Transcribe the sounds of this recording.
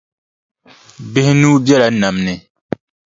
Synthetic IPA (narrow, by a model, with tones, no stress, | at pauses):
bɪ˦hɪ˦nuː˦bɛ˦la˨˦na˨mnɪ˨